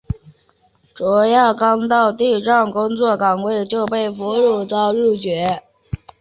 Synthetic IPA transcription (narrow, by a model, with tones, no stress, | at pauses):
ʈ͡ʂɔ˧˥ja˥˩kɑ˥ŋt̪ɑ˥˧ʊt̪i˥˧ʈ͡ʂɑ˥˩ŋkʊ˥ŋt͡swɔ˥˩kɑ˨˩ŋkwe˥˧˩ɪt͡ɕjo˥˧ʊpe˥˩ɪfu˧˥ɻu˥˩t̪ɑ˥˧ʊɻu˥˩t͡ɕɥɛ˧˥